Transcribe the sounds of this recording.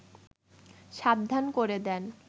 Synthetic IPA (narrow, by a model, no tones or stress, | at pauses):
ʃab̚d̪ʱːankoɾed̪ɛn